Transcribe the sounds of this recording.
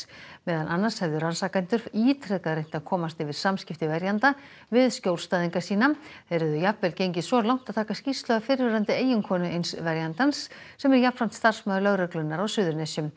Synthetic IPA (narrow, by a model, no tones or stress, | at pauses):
mɛːðanʔanːḁshɛvðʏɾansakajnt̪ʏɾ̥fiːt̪ʰɾɛkaðɾejn̥t̪aðkʰɔːmast̪ɪvɪð̥samscɪft̪ɪvɛɾjant̪a | vɪðscowlst̪aːðiŋkasiːnaθeɾɛðʏjapvɛlcejɲcɪsɔlawŋ̥t̪að̥t̪ʰaːkascist̪lœɣafɪɾvɪɾant̪ɪeːjʏŋkʰɔːnʏejnsvɛɾjant̪anssɛmɛɾjapːɾam̥t̪st̪ar̥smœːðlœɣɾœklʏnːaɾawsʏːðʏɾnɛsʏm